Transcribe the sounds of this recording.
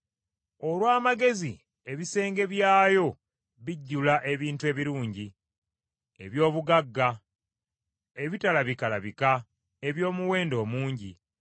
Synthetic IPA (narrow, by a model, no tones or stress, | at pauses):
o̞lwaːmaɡe̞zi | e̞βise̞ːŋɡe̞βjaːjo̞ | βiɟːulaʔe̞βiːntue̞ːβiɾuːɲɟi | ḛβjo̞ːβuɡaɡːa | eβitalaβikalaβika | e̞βjo̞ːmuwe̞ːndo̞ːmuːɲɟi